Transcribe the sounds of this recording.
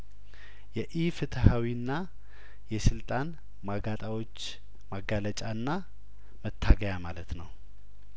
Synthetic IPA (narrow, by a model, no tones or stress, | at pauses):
jɛʔifɨt̪ʰəhawinːa | jɛsɨlt̪ʼan | maɡat̪ʼawo̞t͡ʃː | maɡalət͡ʃʼaɨnːa | mət̪ʰːaɡəjamalət̪nəw